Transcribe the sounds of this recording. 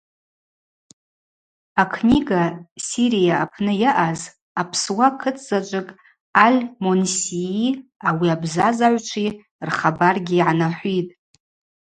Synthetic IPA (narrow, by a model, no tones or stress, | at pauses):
akʰniɡasiɾijaapʰnɨjaʔaz | apʰswakʰɨt͡sʰʼzat͡ʃʷʼɨkʼ | alʲmonsiiawiabzazaʕʷt͡ʃʷʰi | rχabarɡʲiːʕanaħʷitʼ